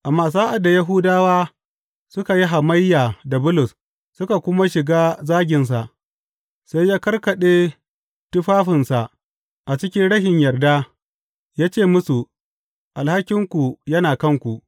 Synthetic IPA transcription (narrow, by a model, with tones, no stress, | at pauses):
ʔa˨mːaː˦˨s̬a˦ʔa˨da˨ja˦ɦu˦daː˦waː˦ | sʊ˦ka˨ji˦ɦa˨ma˦jːaː˨da˨bʊ˦lʊ˨s | sʊ˦ka˨kʷʊ˦ma˦ʃɪ˨ɡaː˦zaː˦ɡʲɪ˨ns̬a˨ʔ | sa˦jːaː˦kɐ˦rkɐ˨ɗeː˦ | tʊ˦ɸaː˦ɸɪ˨nsa˨ʔ | ʔa˨t͡ʃɪ˦kʲɪ˦nɽɐ˦ʃɪ˨ɲjɐ˨rda˦ | jaː˦t͡ʃeː˦˨mʊ˦su˨ | ʔa˨lha˦kʲɪ˦ŋkʷu˨jɐ˦naː˨kɐ˦ŋkʷu˨ʔ